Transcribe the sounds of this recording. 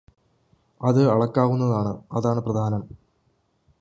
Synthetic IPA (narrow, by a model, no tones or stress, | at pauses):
ɐðɨɐɭɐkːaːɣunːɐðaːɳɨɐðaːɳɨprɐd̪ʱaːnɐm